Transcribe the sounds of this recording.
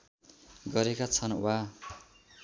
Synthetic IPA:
ɡʌɾekat͡sʰʌnwa

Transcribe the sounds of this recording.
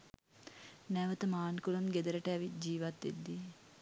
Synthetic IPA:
næʋət̪əmaːnkulumɡed̪əɾəʈəæʋit̪̚d͡ʒiːʋat̪ːed̪ːi

